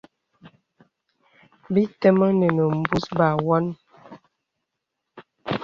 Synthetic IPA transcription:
bi˦tɛ˦mə˦nə˨nə˨m̩˨bu˦sba˨wɔ˦n

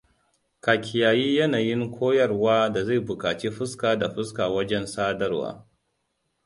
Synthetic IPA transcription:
kaː˨kʲʰɪ˨jaː˨jiː˦jɐ˦naː˨jɪ˦ŋkʷʰoː˦jɐ˦rwaː˦da˨za˦˨jbʊ˨kaː˨t͡ʃeː˦ɸʊ˦skaː˨da˨ɸʊ˦skaː˨wɐ˦d͡ʒɛ˦nsaː˦dɐ˦rwa̰ː˦

